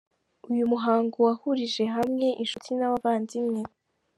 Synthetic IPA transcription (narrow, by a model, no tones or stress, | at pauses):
ujumuɦaːŋɡowahuɾiʒe̞ɦamŋe̞ʔinʃutʰinaβavaːnzimŋe̞